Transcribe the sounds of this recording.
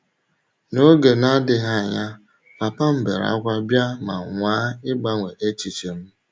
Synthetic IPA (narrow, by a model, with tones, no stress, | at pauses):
no˦ɡe˨na˦dɪ˨ɦa˦˨ɲa˦ | pa˨pa˦m̩˦bḛ˨ɾa̰˦kʷa˦bja˦ma̰˨ŋʷaː˦ɪ˦ɡ͡ba˦ŋʷe˨ʔe˦t͡ʃi˨t͡ʃe˨m̩˦